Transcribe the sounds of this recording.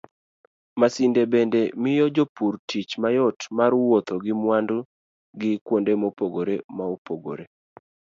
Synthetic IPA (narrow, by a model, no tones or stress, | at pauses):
masindebendemɪjɔd͡ʒopurtʰit͡ʃmajɔtmaɾwot̪oɡɪmwandʊ | ɡɪkwondemopoɡoɾemaopoɡo̰ɾe